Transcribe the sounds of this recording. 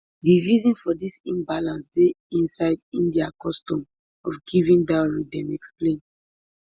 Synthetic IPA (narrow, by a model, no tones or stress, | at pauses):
divizɔ̃nfɔdisĩmbalãnsde | ĩnsaɪdĩndiakɔstɔ̃m | ɔfɡivĩndaɹidɛ̃mɛksplẽn